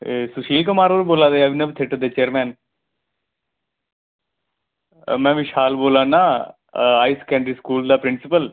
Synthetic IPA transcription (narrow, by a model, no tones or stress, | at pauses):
sʊʃiːlkəmaːɾəɾboːlaːd̪eːəʋɪnəbt̪ʰɪʈd̪eːt͡ʃeːəɾmɛ̃ːn | mɛ̃ːʋɪʃaːlboːlãːnaː | aːiskɛ̃ːɳɖɾiːskuːld̪aːpɾɪnsɪpəl